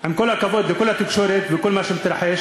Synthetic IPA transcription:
ʔɪmkolhakaboːt̪bɪkolːhat̪ɪkʃoːɾet̪bɪkolmaʃemɪt̪ɾɑħeʃ

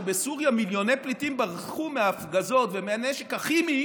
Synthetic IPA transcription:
besuʁjamiljo̞nejplitimbaʁχumeaːfɡazo̞t̪vemeaneʃekaχimi

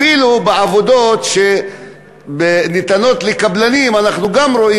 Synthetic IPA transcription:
ilubeavo̞d̪o̞t̪ʃe̞ | benit̪ano̞t̪lekablanimanaχnuɡamɾo̞ʔi

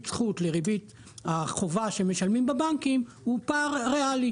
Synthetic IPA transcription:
t͡sχut̪leʁibit̪ | haχovaʃe̞me̞ʃalmimbebaŋkim | hupaʁʁeali

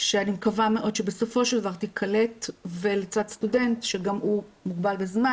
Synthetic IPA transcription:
ʃeanimkavame̞ʔo̞dʃebeso̞fo̞ʃeld̪avaʁt̪ikʰale̞tve̞let͡sadstude̞ntʃeɡamumuɡbalbezma

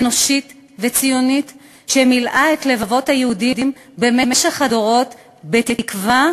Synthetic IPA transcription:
no̞ʃit | vet͡sijo̞nit | ʃemilʔaetle̞vavo̞thajehudidim | bememeʃaχadoʁo̞t | betitkva

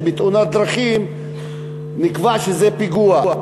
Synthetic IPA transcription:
bit̪ʔunat̪̚d̪ɾaχim | nikvaʃezɛpiɡuaa

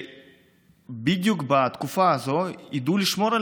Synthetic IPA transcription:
bid̪jukbat̪kufaːzo̞id̪uliʃmo̞ɾa

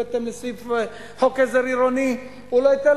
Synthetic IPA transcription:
et̪emlesif | hokezeɾiɾoni | uloit̪el

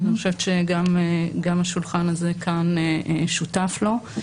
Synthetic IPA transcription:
aniχoʃeveʃeɡameɡamaʃulχanaze̞kʰaneʃutaflo̞

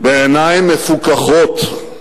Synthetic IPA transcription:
beenajmːefukaχot̪

